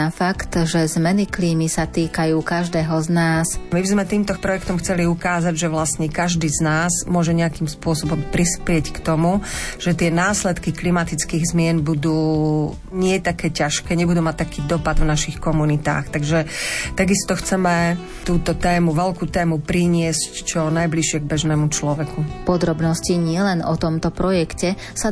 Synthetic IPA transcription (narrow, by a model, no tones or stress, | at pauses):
afakt̪ʒɛzmɛnikliːmisat̪iːkajuːkaʒd̪ɛːɦɔznaːsmibizmɛt̪iːmt̪ɔpɾɔjɛkt̪ɔmxt͡sɛliukaːzaɟʒɛʋlasɲɛkaʒd̪iːznaːzmʊɔʒɛɲɛakiːmspʊɔsɔbɔmpɾispɪɛckt̪ɔmuʒ̥ɛt̪ɪɛnaːslɛt̪kiklimat̪it͡skiːɣzmɪɛnbud̪uː | ɲɪɛt̪akɛːcaʃkɛːɲɛbud̪uːmac̚t̪akiːd̪ɔpad̪vnaʃixkɔmunit̪a̰ːxt̪aɡʒɛt̪aɡist̪ɔxt͡sɛmɛ | t̪uːt̪ɔt̪ɛːmuʋɛlkuːt̪ɛːmupɾiɲɪɛsct͡ʃɔnajbliʃɪɛɡ̚bɛʒnɛːmut͡ʃlɔʋɛkupɔd̪ɾɔbnɔsciɲɪɛlɛnɔt̪ɔmt̪ɔpɾɔjɛkcɛ | sa